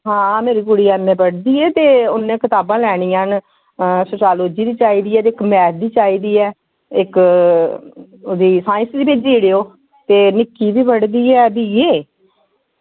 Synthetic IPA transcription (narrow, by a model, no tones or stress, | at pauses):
ɦãːmeːɾiːkʊɽiːɛːmẽːbəɽd̪iːɛːt̪eːʊnːẽːkət̪aːbãːlɛːɽ̃iːãːn | sʊt͡ʃaːloːd͡ʒiːd̪iːt͡ʃaːiːd̪iːɛːt̪eːɪkmɛːɾd̪iːt͡ʃaːiːd̪iːɛː | ɪk | d̪iːsaːɪ̃nsd̪iːpeːd͡ʒiːɽeːoː | t̪eːnɪkiːbiːpəɽd̪iːɛːbiːeː